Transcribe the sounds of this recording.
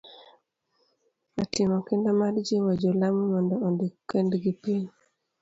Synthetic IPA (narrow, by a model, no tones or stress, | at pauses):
atɪmɔkɪndamadd͡ʒiwad͡ʒolamumɔndɔondikɛndɡipiɲ